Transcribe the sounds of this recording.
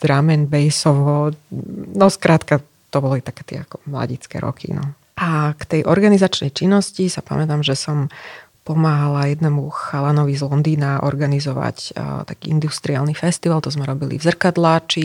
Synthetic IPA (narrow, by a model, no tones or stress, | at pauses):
d̪̥ɾamɛnbɛjsɔʋɔ | nɔskɾat̪ka | t̪ɔbɔlit̪akɛːt̪ɪɛ̰akɔmla̰ɟit͡skɛ̰ɾɔ̰kʰḭnɔ̰ | ʔakt̪ɛjʔɔɾɡanizat͡ʃnɛjt͡ʃinːɔscisapa̰mɛt̪aːmʒɛsɔm | pɔmaːɦalajɛd̪nɛmuxalanɔʋizlɔnd̪iːnaʔɔ̰ɾɡanizɔʋa̰ct̪akiːind̪ust̪ɾiaːlnifɛst̪iʋalt̪ɔzmɛɾɔbilḭvzr̩kad̪lat͡ʃi